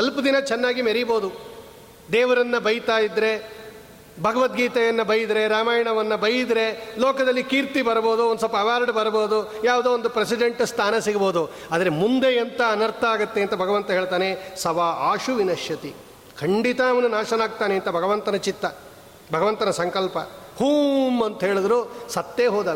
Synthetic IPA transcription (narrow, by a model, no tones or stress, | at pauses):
ɦɐlpɐd̪inɐt͡ʃɛnːaːɡimɐɾiboːd̪u | d̪ɛːʋɐɾɐnːɐbɐjt̪aːjid̪ɾe̞ | bʱɐɡɐʋɐt̪ɡiːt̪ɐjɐnːɐbɐjid̪ɾe̞ɾaːmaːjɐɳɐʋɐnːɐbɐjid̪ɾe̞loːkɐd̪ɐlːikiːɾt̪ibɐɾboːd̪uond̪usɐlpɐːʋaːɾɖbɐɾbo̞ːd̪ujaːʋud̪uond̪upɾesiɖeɳʈst̪ʰaːnɐsiɡɐboːd̪u | aːd̪ɐɾemund̪eːnt̪ɐːnɐɾt̪ʰɐaːɡɐt̪ːeɐnt̪ɐbʱɐɡɐʋɐnt̪ɐɦeːɭt̪aːnesɐʋaːaːʃuʋinɐʃjɐt̪i | kʰɐɳɖit̪ɐɐʋɐnunaːʃɐnaːɡ̚t̪aːneɐnt̪ɐbʱɐɡɐʋɐnt̪ɐnɐt͡ʃit̪ːɐ | bʱɐɡɐʋɐnt̪ɐnɐsɐŋkɐlpɐ̰huːmɐnt̪ɐɦeːɭid̪ɾusɐt̪ːeːɦoːd̪ɐ